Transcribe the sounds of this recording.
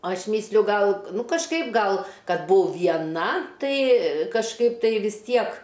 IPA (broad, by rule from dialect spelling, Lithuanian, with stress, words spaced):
ˈɐʃ ˈmʲiːsʲlʲʊ ˈɡɐlˠ ˈnʊ kɐʃˈkɐɪp ˈɡɐlˠ ˈkɐt ˈbʊɐʊ ʋʲiɛˈnɐ ˈtɐɪ kɐʃˈkɐɪp ˈtɐɪ ʋʲɪs ˈtʲiɛk